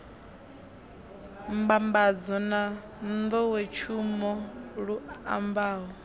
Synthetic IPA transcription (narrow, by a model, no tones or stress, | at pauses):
mbambad͡zɔna | nd̪ɔwɛt͡ʃʰumɔɺua̰mbaːɦɔ